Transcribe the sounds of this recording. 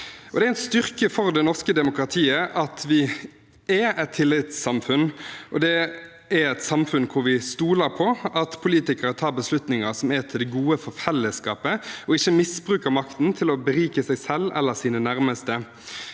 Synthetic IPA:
ʔɔd̪ɛæɛst̪ʏʁkəfɔʁd̪ɛnɔʁskəd̪ɛmʊkɾɑt̪ʰiːəʔɑt̪ʰʋɪ | ɛɛt̪ʰːɪlːɪt̪sːɑmfʉnʔɔd̪ɛ | æɾɛt̪sɑmfʉnkʰʊɾʋɪst̪uːləɾpʰɔɑt̪pʰʊliːt̪ɪkəɾət̪ʰɑːbəslʉt̪nɪŋəɾsɔmɛt̪ʰɪld̪ɛɡuːəfɔʁfɛlːəskɑːpəɔɪçːəmɪsbʁʉːkəɾmɑkt̪n̩t̪ʰɪlɔbəɾiːkəsæɪsɛlːɛ̰lːəʁsiːnənæɾməst̪ə

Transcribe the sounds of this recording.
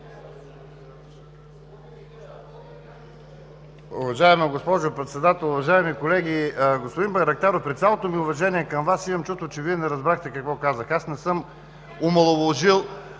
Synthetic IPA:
ʊvɐʒaɛməɡospɔʒopɾɛt̪sɛd̪at̪ɛlˠʊvɐʒaɛmikolɛɡʲiɡospod̪inbɐɾɐk̚t̪aɾopɾit̪sjalˠot̪omiʊvɐʒɛniɛkɐmvasimɐmt͡ʃust̪vot͡ʃɛviɛnɛɾɐzbɾaxt̪ɛkɐkvɔkazəxasnɛsɤm | omɐlˠovoʒilˠ

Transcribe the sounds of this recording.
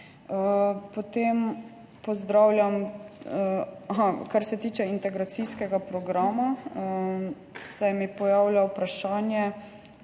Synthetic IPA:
əpɔt̪em | pɔzd̪ɾaːwljam | aɦakaɾsɛt̪iːt͡ʃɛint̪ɛɡɾat̪siskɛɡapɾɔɡɾaːmaə | sajmipɔjaːwlʲjʲawpɾaʃaːnjɛ

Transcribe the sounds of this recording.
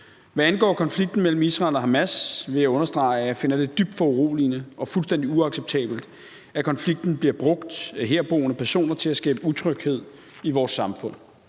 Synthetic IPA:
ʋæænɡ̥ɒ̰ːkʰɒ̽nfliɡ̥̚d̥n̩mel̰m̩isʁɑ̈ɪlɒɦæmæsʋe̝jæɔ̽nɐsd̥ʁɑ̈ɪjæfe̝nɐd̥e̝d̥yb̥̚d̥fɒ̽uʁo̝̰ːlinəɒ̽fulsd̥en̰d̥iuɑ̈ɡ̥seb̥̚t͡sʰɛ̰ːb̥l̩d̥ | ækʰɒ̽nfliɡ̥̚d̥n̩b̥liɐb̥ʁɔ̽ɡ̥d̥ɦe̝ɐ̰b̥o̝̰ːnəpʰæɐso̝̰ːnɐt͡sʰe̝læsɡ̥ɛ̰ːb̥əut͡sʰʁœɡ̥he̝ð̞̰ˠ | iʋɒːsːɑ̈mfɔ̽n̰

